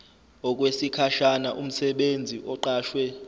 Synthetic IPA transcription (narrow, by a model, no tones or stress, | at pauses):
ɔk̬ʼwesikʰaʃanaʔum̩sɛɓend͡zʱiʔɔǃaːʃwɛ